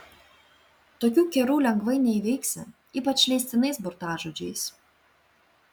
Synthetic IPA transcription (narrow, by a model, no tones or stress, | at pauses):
t̪oːkʲuːkʲɛɾuːlʲɛŋɡʋɐɪnʲɛɪʋʲɛɪksʲɪ | iːpɐt͡ʃʲlʲɛɪsʲt̪ʲɪnɐɪsbɔɾt̪ɑːʒod͡ʒʲɛɪs